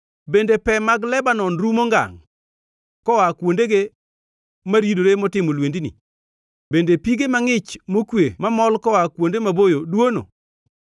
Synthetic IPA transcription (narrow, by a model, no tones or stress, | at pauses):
bendepɛmaɡlɛbanɔnɾumoŋɡa̰ŋ | kɔwakwondeɡe | maɾidoɾemɔtɪmolwendinḭ | bendepiɡemaŋɪt͡ʃmokwemamɔlkɔwakwondemabojodwono̰